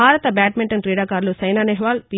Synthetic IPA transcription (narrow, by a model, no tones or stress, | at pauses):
aːɾɐt̪ɐbaːʈmiɳʈɐnkɾɛːɖaːkaːɾlot͡ʃɐjnaːneɦʋaːlpi